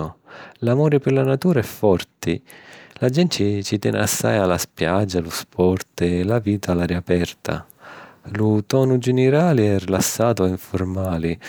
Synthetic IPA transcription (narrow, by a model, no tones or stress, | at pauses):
ʊlamɔːɾipɪrlanat̪uːɾaɛfːɔrt̪ilad͡ʒɛnt͡ʃit͡ʃit̪ɛ̰nasːa̰jalaspjad͡ʒːaluspʰɔrt̪ɪlaviːt̪ʰalaɾiapɛrt̪ʰa̰ | lut̪ɔːnud͡ʒɛnɪɾaːliɛrilasːaːt̪ʊaiɱformaːli